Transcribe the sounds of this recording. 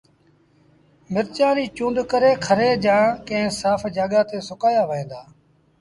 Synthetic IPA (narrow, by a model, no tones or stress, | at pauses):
mɪɾt͡ʃãːɾiːt͡ʃũːnd̪kəɾeːkʰəɾeːd͡ʒãːkə̃ɦɪ̃saːfʰd͡ʒaːɠaːt̪eːsʊkaːjaːʋəẽːnd̪aː